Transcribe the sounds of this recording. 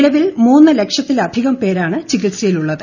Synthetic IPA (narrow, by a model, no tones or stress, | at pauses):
ɭɐʋilmuːnːɨle̞kʂjɐt̪ːilɐd̪ʱiɣɐmpe̞ːɾaːɳɨt͡ɕiɣiʈsɐjiluɭːɐðɨ